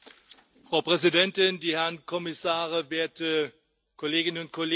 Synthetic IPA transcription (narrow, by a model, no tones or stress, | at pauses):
fʁ̥aʊpʁ̥ɛzidɛntɪndiːhɛɐnkʰɔmɪsaːʁəveːɐtə | kʰoleːɡɪnənʊnt̚kʰoleː